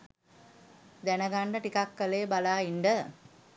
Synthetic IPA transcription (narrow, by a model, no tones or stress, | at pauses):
d̪ænəɡaɳɖəʈikakːəleːbalaːiɳɖə